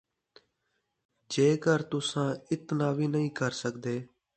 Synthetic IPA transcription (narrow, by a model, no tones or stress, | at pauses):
d͡ʒeːkəɾt̪ʊsãːɪt̪naːʋiːnəɦĩːkəɾsəkd̪eː